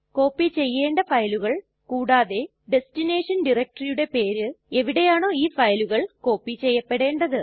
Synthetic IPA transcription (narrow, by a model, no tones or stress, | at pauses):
ko̞ːpːit͡ɕe̞jːe̞ːɳɖɐfɐjluɣɐɭ | kuːɽaːðe̞ | ɖe̞stine̞ːʂɐnɖirek̚ʈɐrijuɽe̞pe̞ːɾɨe̞ʋiɽe̞jaːɳo̞ːiːfɐjluɣɐɭko̞ːpːit͡ɕe̞jːɐpːe̞ɽe̞ːɳɖɐðɨ